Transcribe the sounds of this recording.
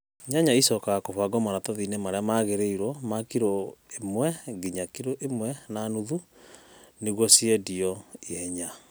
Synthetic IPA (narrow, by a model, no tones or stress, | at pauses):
ɲaɲaisɔkaɣakoβaɡɔmanatɔðinɛmaɾeamaɣeɾeiɾɔmakiɾoemwɛɡiɲakiɾoʔemwɛnanuðu | neɣwɔsiɛdiɔiɛɲa